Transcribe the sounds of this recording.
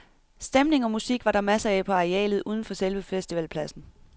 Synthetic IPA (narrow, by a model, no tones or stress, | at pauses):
sd̥emne̝ŋɒ̽musiɡ̥ʋɑ̈ɾ̥ɑ̈mæsɐæpʰɒ̽ɑ̈ʁeɛ̰ːlð̩ˠʔuːð̞ˠn̩fɒ̽selʋəfesd̥iʋɛ̰lpʰlæsn̩